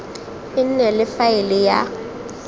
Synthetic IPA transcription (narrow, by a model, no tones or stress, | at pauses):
ɪn̩nɛlɪfaɪlɪja̰